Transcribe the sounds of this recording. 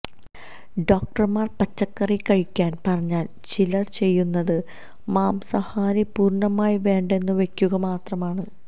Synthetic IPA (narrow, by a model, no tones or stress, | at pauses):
ɖo̞ːk̚ʈɐrmaːrpɐt͡ɕːɐkːɐrikɐɻikʲːaːnpɐrɐɲːaːl | t͡ɕilɐrt͡ɕe̞jːunːɐðɨ | maːmsɐhaːɾipuːrɳɐmaːjiʋe̞ːɳɖe̞nːɨʋe̞kʲːuɣɐmaːt̪rɐmaːɳɨ